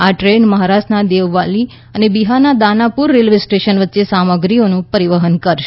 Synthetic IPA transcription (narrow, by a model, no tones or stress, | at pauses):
aʈɾeɳməɦaɾasnad̪eʋʋali | ənebiɦanad̪anapuɾːelʋesʈeʃənʋətːʃesaməɡɾionũpəɾiʋəɦənkəɾʃ